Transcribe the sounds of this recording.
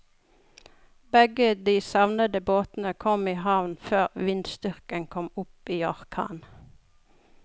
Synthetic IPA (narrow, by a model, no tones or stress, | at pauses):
bɛɡəd̪iːsɑʋnəd̪əboːt̪n̩əkʰɔmiːhɑʋnføːʁʋɪnd̪st̪ʏʁkənkʰɔmʊpiːɑʁkʰɑ̰ːn